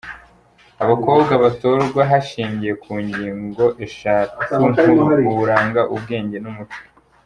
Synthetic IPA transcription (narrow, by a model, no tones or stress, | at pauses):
aβako̞ːbɡaβatoɾɡwaɦaʃiːmɟije̞kʰuːɲɟiːŋɡo̞ʔe̞ʃaːtikunuuuɾaːŋɡaʔub̚ɡe̞ːɲɟe̞numut͡ʃe̥